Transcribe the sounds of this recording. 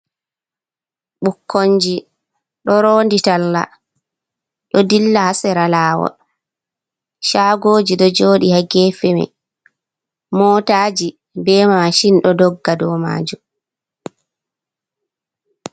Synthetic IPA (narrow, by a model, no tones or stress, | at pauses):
ɓukʰːoɲd͡ʒi | ɗɔɾoːnditalːa̰ | ɗɔdilːahasɛɾalaːwɔ̰ | ʃaːɡoːd͡ʒiɗɔd͡ʒoːɗihaɡɛfɛmɛ̰ | mɔːtaːd͡ʒi | bɛːmamaʃinɗɔdɔɡːadɔma̰ːd͡ʒum